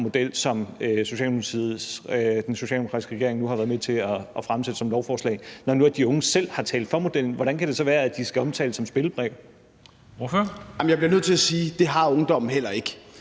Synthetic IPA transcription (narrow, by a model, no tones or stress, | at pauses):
mo̝d̥el̰sɒ̽mso̝ɕɛ̰ld̥emsʰiðˠsd̥enso̝ɕɛ̰ldeokʰɑ̈isɡ̥ʁɛɡe̝ɐ̰eŋnuhɑ̈ʋæːɐðˠmet͡sʰe̝ɒʔːfʁamsed̥əsɒ̽mlɒʊfɒːslɛ̰ɪnɒnuæd̥iɔ̽ŋəsel̰hɑ̈t͡sʰɛ̰ːld̥fɒ̽mo̝d̥el̰n̩ʋɒɾ̥ænkʰæɾ̥e̝sɒ̽ʋæːɐæd̥isɡ̥æɒ̽mt͡sʰɛ̰ːləsɒ̽msb̥e̝ləb̥ʁɛʊ̥ | oføɐɑmjɑ̈ɪbliɐnøð̰ˠt͡sʰe̝læsiːd̥e̝ɦɑ̈ɔŋd̥ɒ̽m̰n̩hel̰ɐe̝ɡ̥ə